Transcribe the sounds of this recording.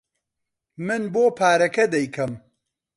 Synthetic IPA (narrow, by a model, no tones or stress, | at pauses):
mɨnboːpʰaːɾɐkɐd̪ɐjkʰɐm